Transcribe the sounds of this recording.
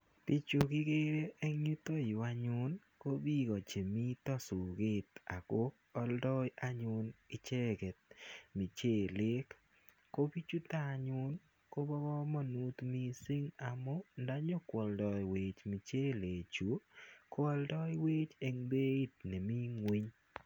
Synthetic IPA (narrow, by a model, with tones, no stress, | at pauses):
ti˦t͡ʃʊ˨kɪ˦ɡe˦ɾeː˦ŋi˦t̪o˦jwa˦ɲʊ˦n | ko˦bi˦ɡɔ˨t͡ʃe˨mi˦t̪ɔ˦sʊ˨ɡɪ˦t̪a˨ko˦ | ɔ˦ldɔ˦jʔa˦ɲʊ˦nɪ˦t͡ʃe˦ɡe˨t̪̚mi˨t͡ʃeː˦˨lɪ˦kː | o˦bi˦t͡ʃu˦t̪a˦˨ɲʊ˦n | ko˦bɔ˦ɡɔ˦mɔ˨nu˦t̪mi˦sɪ˦ŋa˨mo˦nda˦ɲo˦kwɔ˨ldɔ˨jwe˨t͡ʃmi˨t͡ʃe˦le˨t͡ʃu˨˦kɔ˦ɔ˦ldɔ˦jwe˦t͡ʃe˨ŋde˦i˦t̪̚nɛ˨mi˦ŋwi˦ɲ